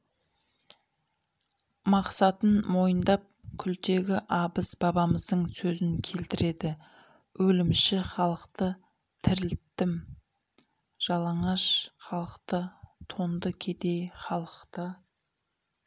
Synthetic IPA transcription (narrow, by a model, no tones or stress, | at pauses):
mɑqsɑt̪ənmo̞jənd̪ɑp̚kʲʰʏlt̪e̞ɡʲɪʔɑbəsbɑbɑməzd̪əɴsɵzɪŋkʲʰe̞lt̪ɪɾe̞d̪ɪ | wʔɵlɪmʃɪχɑlˠəqt̪ə | t̪ʰɪɾɪlt̪ːɪm | ʒ̥ɑlˠɑɴɑʃχɑlˠəqt̪ət̪ʰo̞nd̪əkʲʰe̞t̪e̞jχɑlˠəqt̪ə